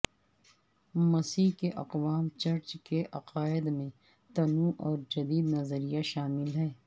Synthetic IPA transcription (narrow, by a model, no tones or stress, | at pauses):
mɐsiːkeʔɐ̰qʋaːmt͡ʃɐɾt͡ʃkeʔɐqaːɪd̪mẽ | t̪ɐnũʔɔːɾd͡ʒɐd̪iːd̪nɐzəɾijaʃaːmɪlɦɛː